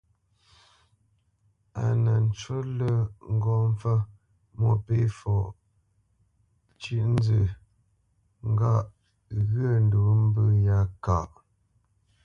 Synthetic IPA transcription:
a̰˨nə˨n̩˨t͡ʃə˦lə˦ŋ̩˦ɡɔ˦˨m˦fə˦ | mo˦˨pe˦fɔ˨ | t͡ʃi˦ʔn̩˦d͡zə˨ | ŋ̩˦ɡa˦˨ʔ | ɣə˦˨n̩˦du˨˦m̩˦bə˦ja˦ka˨ʔ

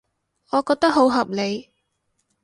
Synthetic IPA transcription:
ɔː˨˧kɔː˧k̚t̪ɐ˥k̚ɦo˨˥wɦɐ˨p̚le˨˧j

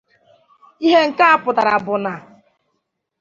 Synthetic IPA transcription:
i˦ɦe˦ŋ̩˨ka˦a˦pʊ˨da˨ɾa˨bʊ˨na˨

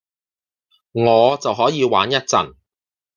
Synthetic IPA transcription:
ŋɔː˨˧t͡sɐ˨wɦɔː˨˥jiː˨˧wa̰ː˨˥njɐ˥t̚t͡sɐ̰˨˩n

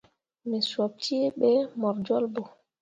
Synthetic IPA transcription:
mɛ˨swa˨p̚tʰi˦ɓɛ˦mɔ˨ɾd͡ʒɔ˦lbɔ˨

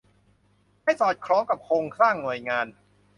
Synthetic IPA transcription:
ha˥˩jsɔː˨˩t̪̚kʰɾɔː˦˥ŋka˨˩p̚kʰoː˧ŋkʰɾaː˥˩ŋnu˨˩əjŋaː˧n

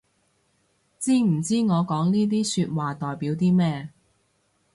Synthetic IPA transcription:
t͡siː˥m̩˨˩t͡siː˥ŋɔː˨˧kɔː˨˥ŋniː˥t̪̬iː˥syː˧t̚waː˨t̪ɔː˨˩jpiː˨˥wt̪̬iː˥mɛː˥

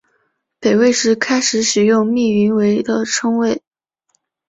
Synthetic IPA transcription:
pe˨˩ɪwe˥˧ɪʂɻ̩˥˩kʰa˥ɪʂɻ̩˧˥ʂɻ̩˨˩jʊ˥˧ŋmi˥˩y˧˥nwe˧˥ɪd̪ə˨ʈ͡ʂʰɤ˥ŋwe˥˩ɪ

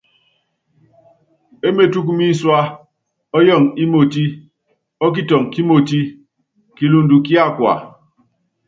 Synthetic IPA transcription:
e˦me˦˨tu˦k̬mi˦swa˦ | ɔ˦jɔ˦˨ŋi˦mo˨ti˦ | ɔ˦k̬i˦tɔ˨ŋki˦mo˨ti˦ | ki˨lu˨n˨du˨ki˦a˦kwa̰˨

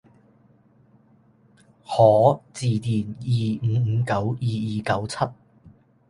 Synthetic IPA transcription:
hɔː˨˥t͡siː˨˩t̪iː˨˩njiː˨˩ŋ̩ː˨˧˦kɐ˨˥wjiː˨jiː˨kɐ˨˥wt͡sʰɐ˥t̚

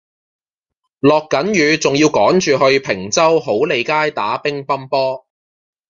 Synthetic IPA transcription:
lɔː˨kːɐ˨˥njyː˨˧t͡sʊ˨ŋjiː˧wkɔː˨˥ŋt͡ʃyː˨ɦɵ˧ɥpʰɪ˨˩ŋt͡sɐ˥wɦo˨˥wle˨˧jkaː˥jt̪aː˨˥pɪ˥ŋpɐ˥mpɔː˥

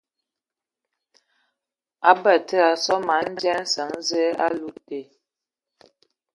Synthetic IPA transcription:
a˦bə˨tə˦a˨sɔ˦ma˨˦n̩˦d͡ʒɛ˦n̩˦sə˨˦ŋ˦zɛ˦a̰˦lu˦te˨

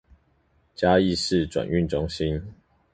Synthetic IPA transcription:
t͡ɕja˦i˥˨ʂɻ̩˥˨ʈ͡ʂwa̰˨˩ny˥˨nʈ͡ʂʊ˦ŋɕi˦n

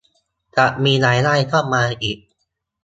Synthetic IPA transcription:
t͡ɕa˨˩ʔmiː˧naː˩˦jlaː˥˩jk̪ʰɔː˥˩m̚mːaː˧ʔiː˨˩k̚

